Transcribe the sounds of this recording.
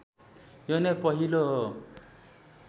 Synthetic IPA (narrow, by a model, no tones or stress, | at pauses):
jonepʌɦilo